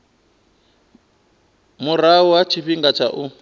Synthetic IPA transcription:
muɾauwat͡ʃʰiɸiŋɡat͡ʃʰa̰ʔu

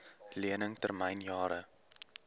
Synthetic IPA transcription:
liənəŋtərməjnjɑːɾə

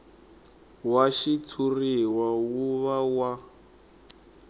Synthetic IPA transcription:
waʃit͡sʰuriwawuβawa

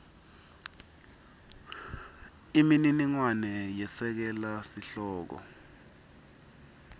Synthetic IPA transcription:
imininiŋwanɛjɛsɛk̬ɛlasiɬɔːk̬ɔ̰

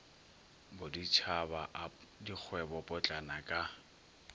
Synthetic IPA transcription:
bʊdit͡ʃʰabaʔdik͡xʰwɛbɔpʼʊt͡ɬʼanakʼa

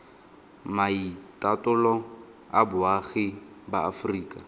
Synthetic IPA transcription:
maitʼatʼʊlɔ | abʊaχɪ | baːfriːkʼa

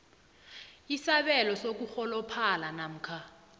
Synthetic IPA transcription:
isaɓɛlɔsok̬uxɔlɔpʰalanam̩ːkʰa

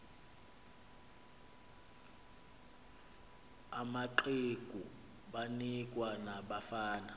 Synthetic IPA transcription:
amaǃikʼu | ɓanikʼwanaɓafaːna

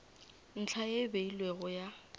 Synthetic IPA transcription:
n̩t͡ɬʰajebeilweɣʊja

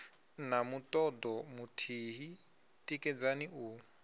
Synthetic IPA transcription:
namutʼɔdɔmutʰiɦi | tʼikʼɛd͡zaniʔu

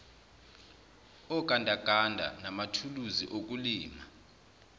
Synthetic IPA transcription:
ɔk̬ʼandʱaɡ̥ʱandʱa̰namatʰuluziʔok̬uliːma

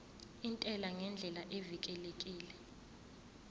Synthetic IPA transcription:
intʼɛlaŋɛnd͡ɮʱɛlaʔevik̬ʼɛlekʼiːlɛ

